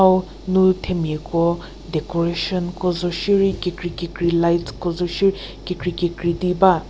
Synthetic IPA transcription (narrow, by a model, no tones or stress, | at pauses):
aw | nutʰemiɛkɔ | dɛkɔɹeʃɔnkɔzɔʃiɹikekɹikekɹilajtkɔzɔʃiɹi | kekɹikekɹidiba